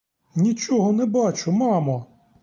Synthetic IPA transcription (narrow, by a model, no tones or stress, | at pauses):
nʲit͡ʃɔɦɔnɛbɑt͡ʃʊmɑmɔ